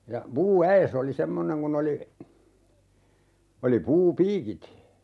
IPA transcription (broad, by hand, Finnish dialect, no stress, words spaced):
jɑ puːæes oli semːoneŋ kun oli oli puːpiːkit